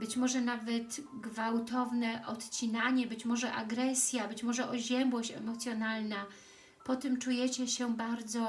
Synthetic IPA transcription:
bɘt͡ɕmɔʐɛnavɛt̪ɡvawt̪ɔvnɛʔɔt̪t͡ɕinaɲɛbɘt͡ɕmɔʐɛʔaɡɾɛsʲjabɘt͡ɕmɔʐɛʔɔʑɛmbwɔɕt͡ɕɛmɔt̪sʲjɔnalna | pɔt̪ɛmt͡ʂujɛt͡ɕɛɕɛbaɾd̪zɔ

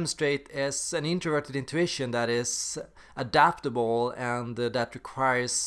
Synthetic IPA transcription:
m̃nstɹ̥eɪtɪzæ̃nɪ̃ntɹəvɜ˞tɨdɪ̃ntʰʉɪʃɨ̃nðæɾɪz̥ | ʔədæptəbl̩ˠɨ̃nðætɹɪkʰw̥aɪə˞s

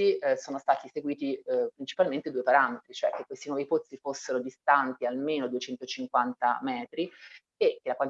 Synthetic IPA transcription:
isoːnost̪aːt̪iseɡwiːt̪ipɾint͡ʃi̥palment̪ed̪uːepaɾamet̪ɾit͡ʃoɛk̟ːekːwest̪inwɔːvipot̪sːifosːeɾod̪ist̪ant̪ialmeːnod̪uet͡ʃɛnt̪ot͡ʃiŋkwant̪a̰mɛːt̪ɾi | ekːelakwan

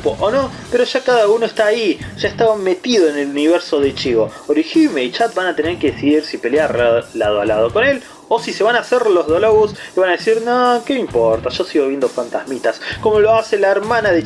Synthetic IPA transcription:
poʔono̞ | peɾo̞ʒakaðauno̞est̪aːiʒ̥aeht̪aβame̞t̪iðo̞ene̞luniβ̞eɾso̞ð̞et͡ʃiβo̞oɾiximeit͡ʃat̪̚banat̪eneɾkeðesiðiɾsipe̞ljaɾlaðoalað̞oko̞ne̞l | osise̞βanaːseɾlo̞zð̞oloɣuseβanaðesiɾnokeimpoɾt̪aʃosiɣo̞β̞je̞nd̪ofant̪ahmit̪asko̞mo̞lo̞ase̞laeɾmanaðe

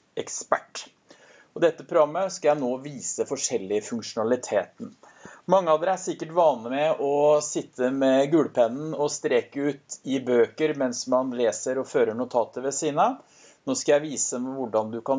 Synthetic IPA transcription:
ɛkspæʈː | ɔd̪ɛt̪ːəpʰɾʊɾɑmːəskɑjæɪnoːʋiːsəfɔʂɛlːɪfʉŋkʂʊnɑlɪt̪ʰeːt̪n̩ | mɑŋːəɑʋd̪ɛæsɪkːəʈʋɑːnəmɛɔsɪt̪ʰːəmɛɡʉːɽəpʰɛnn̩ɔst̪ɾɛːkəʉːt̪ɪbøːkəɾmɛnsmɑnleːsəɾɔføːɾəɳʊt̪ʰɑːt̪əʋɛsiːnə | noːskɑjæɪʋiːsəʋʊɖɑnd̪ʉkɑn

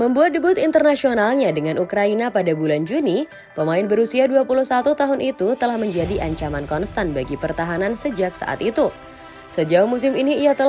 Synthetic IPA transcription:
məmbuat̪̚dəbʊt̪int̪ərnasionalɲadəŋanʔukɾainapadabuland͡ʒuni | pəmaɪnbəɾusiaduapuluhsat̪ut̪aɦʊnʔit̪ut̪əlahməɲd͡ʒadiʔaɲt͡ʃamankɔnst̪anbaɡipərt̪aɦanansəd͡ʒak̚sa̰ʔa̰t̪it̪u | səd͡ʒaʊhmus̬ɪminiːjat̪ə

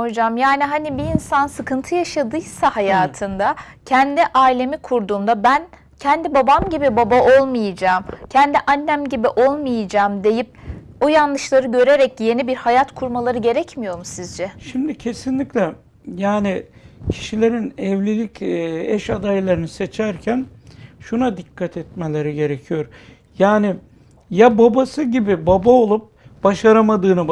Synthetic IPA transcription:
od͡ʒamjaːniɦanibiːnsansɯkʰɯnt̪ʰɯjaʃad̪ɯjsahajaːt̪ʰɯnd̪a | cʰɛnd̪iʔaːilʲe̞mikʰuɾd̪uːmd̪abæn | cʰɛnd̪ibabamɟibibabaʔo̞lˠmɯjɯd͡ʒaːmcʰɛnd̪iʔanːæmɟibiʔo̞lˠmɯjɯd͡ʒaːmd̪e̞jip̚ | ojanlˠɯʃlˠaɾɯɟø̞ɾe̞ɾɛcje̞nibiɾhajat̪kʰuɾmalˠaɾɯɟe̞ɾɛcmijo̞ɾumsizd͡ʒɛʃimd̪icʰe̞sinlʲiclʲɛ | jaːnɪcʰi̥ʃilʲe̞ɾinɛvlʲelʲicɛʃad̪ajlˠaɾɯnɯse̞t͡ʃʰæɾcʰænʃunad̪ikːat̪ʰɛt̪me̞lʲeɾiɟe̞ɾecʰijo̞ɾ | jaːnɪ | jababasɯɟibibabaolˠup̚b̥aʃaɾamad̪ɯːnɯ

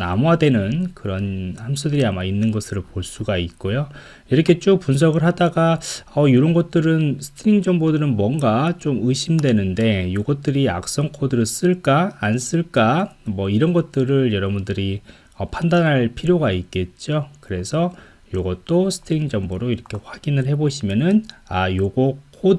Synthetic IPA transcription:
na̰moadwe̞nɯnkɯɾʌnhamsʰudɯɾiamainːɯnɡʌsʰɯɾɯɭpoɭs͈uɡaik͈ojo | iɾʌkʰe̞t͡ɕ͈okpuns̬ʰʌɡɯɭɦadaɡaʌjuɾʌnɡʌt̚t͈ɯɾɯnsʰɯ̥tʰɯɾiŋd͡ʑʌŋbodɯɾɯnmwʌŋɡat͡ɕ͈omɯɕʰimdwe̞nɯnde̞joɡʌt̚t͈ɯɾia̰k̚s͈ʌŋkʰodɯɾɯs͈ɯɭk͈aːns͈ɯɭk͈amwʌiɾʌnɡʌt̚t͈ɯɾɯɭjʌɾʌbundɯɾi | ʌpʰandanɦaɭpʰiɾjoɡaik͈e̞t̚t͡ɕ͈okɯɾe̞sʰʌ | joɡʌt̚t͈osʰɯ̥tʰɯɾiŋd͡ʑʌŋboɾoiɾʌkʰe̞ɸwaɡ̥inɯɭhe̞boɕʰimjʌnɯnajoɡokʰo

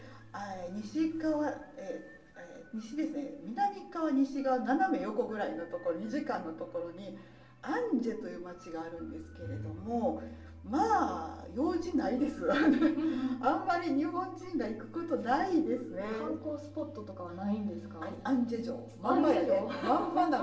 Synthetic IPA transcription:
aɲiɕikaβae | eɲ̟iɕid̪e̞sɨne̞mʲinamʲikːaβaɲ̟iɕiɡananame̞jo̞ko̞ɡɯ̟ɾaino̞t̪o̞ko̞ɾoɲ̟iʑikãnːo̞t̪o̞ko̞ɾo̞ɲ̟i | ãɲd͡ʑe̞t̪o̞jɯ̟ːmat͡ɕiɡaːɾɯ̟̃nd̪e̞sɨ̥ke̞ɾe̞d̪o̞mo̞ | maːjo̞ːʑinaid̪e̞sɨβaãmːaɾʲiɲ̟ihõ̞ɲd͡ʑĩŋɡaikɯ̟̥ko̞t̪o̞naid̪e̞sɨne̞akoːsɨ̥pot̪ːot̪okaβanaĩnd̪esɨ̥kaãɲd͡ʑeʑo̰ː | mãmaomãmbana

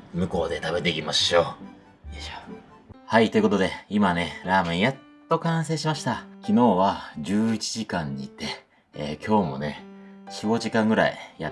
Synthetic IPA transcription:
mɯ̟ko̞ːd̪e̞t̪abe̞t̪e̞kʲimaɕoː | eɕo̥ | hait̪o̞iɯ̟kot̪o̞d̪e̞imane̞ɾaːmẽ̞ɰ̃jat̪ːo̞kãɰ̃se̞ːɕimaɕi̥t̪akʲino̞ːβad͡ʑɨːit͡ɕiʑikãɲ̟ːiːt̪e̞ː | kʲo̞ːmo̞̰ne̞ɕiɡo̞ʑikãŋɡɯ̟ɾa̰ija

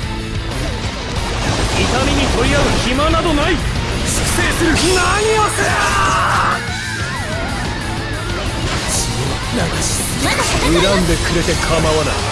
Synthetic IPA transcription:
it̪amʲiɲ̟it̪o̞ɾʲiaɯçimanad̪o̞naiskɯ̥seːsɨɾɯ̟naɲ̟ia | sɨɡo | naid̪esɨ̥ | eɾãnd̪e̞kɯ̟ɾe̞t̪e̞kʰamaβana̰i

